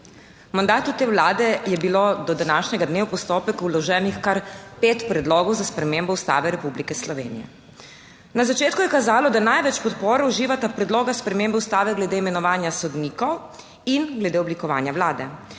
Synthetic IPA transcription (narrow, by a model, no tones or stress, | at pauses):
mand̪aːt̪ut̪eːwlaːd̪ɛjɛbilod̪ɔd̪anaːʃɲɛɡad̪neːwpɔst̪oːpɛkulɔʒɛːnixkaɾpeːt̪pɾɛd̪lɔːɡɔwzaspɾɛmembɔust̪a̰ːʋɛɾɛpublikɛslɔʋḛːnijɛ̰ | nazat͡ʃeːt̪kujɛkazaːlɔd̪anajʋɛt͡ʃpɔt̪poːɾɛuʒiːʋat̪apɾɛd̪lɔːɡaspɾɛmeːmbɛust̪aːʋɛɡlɛd̪eːimɛnɔʋaːnjasɔd̪niːkɔw | inɡlɛd̪eːɔblikɔʋa̰ːnjawlaːd̪ɛ